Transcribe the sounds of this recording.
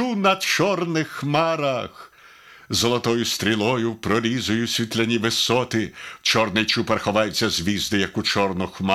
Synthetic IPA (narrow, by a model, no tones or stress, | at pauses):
unɐt͡ʃɔrnɪxmɑɾɐx | zɔlˠɔt̪ɔjʊst̪ɾʲilˠɔjʊpɾɔɾʲizʊjʊsʲʋʲit̪lʲɐnʲiʋɪsɔt̪ɪwt͡ʃɔrnɪjt͡ʃupɐrxɔʋɑjʊt͡sʲːɐzʲʋʲizd̪ɪjɐkʊt͡ʃɔrnɔxmɑ